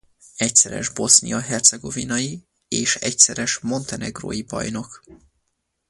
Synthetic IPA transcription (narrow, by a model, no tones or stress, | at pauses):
ɛcsɛɾɛ̰ʒbo̞snḭjɒɦɛrt̪sɛɡo̞vinɒji | eːʃɛcsɛɾɛʃmo̞nt̪ɛnɛɡro̰ːjibɒ̰jno̞k